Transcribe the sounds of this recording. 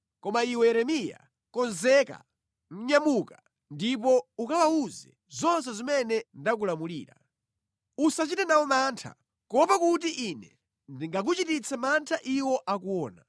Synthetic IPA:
kɔmaiwɛɛɾɛmija̰ | kɔnzɛka̰ | ŋ̩ɲamuka | ndip̬ɔukawauzɛ | zɔnsɛzimɛnɛndak̬ulamulḭːɾa̰ | usat͡ʃitanawɔmaːntʰa̰ | kɔpakutiʔinɛ | ndiŋɡak̬ut͡ʃitit͡sʰamantʰaʔiwɔʔakuwɔːna

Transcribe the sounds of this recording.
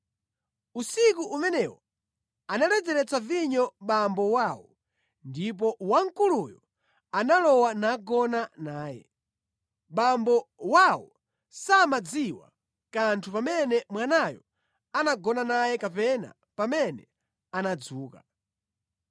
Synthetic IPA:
usikuʔumɛnɛwɔ | analɛd͡zɛɾɛt͡saviɲɔɓambɔwaːwɔ | ndip̬ɔwaŋ̩kulujɔ | analɔwanaɡɔnanaːjɛ̰ | ɓambɔwawɔ | samad͡ziwa̰ | kantʰupamɛnɛmwanajɔ̰ | anaɡɔnanajɛkapɛna̰ | pamɛnɛ | anad͡zuːka

